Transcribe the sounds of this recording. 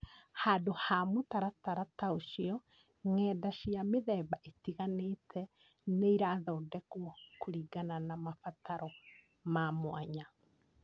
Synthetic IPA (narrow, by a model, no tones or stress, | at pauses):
haːdohamutaɾataɾataoʃiɔ | ŋɛːdaʃiameðɛβaʔetiɣanetʰɛ | neiɾaːðɔːdɛkokoɾiːɡananamafataɾɔ | mamwaɲa